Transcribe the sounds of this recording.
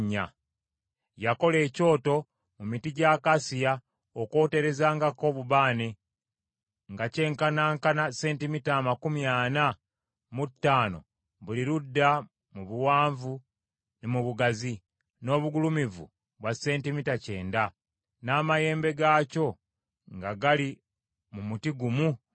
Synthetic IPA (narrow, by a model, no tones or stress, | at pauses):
ɲːa̰ | jako̞le̞ːco̞ːto̞ | mumitiɟaːkasija | oko̞ːte̞ɾe̞zaːŋɡako̞βuβaːne | ŋɡace̞ːŋkanaːŋkanase̞ːntimitaːmakumjaːna | mutːaːno̞̰ | βuliɾudːa | muβuwaːɱvu | nemuβuɡazi | no̞ːβuɡulumivṵ | βwase̞ːntimitace̞ːnda | naːmaje̞ːmbe̞ɡaːco̞ | ŋɡaɡali | mumutiɡumu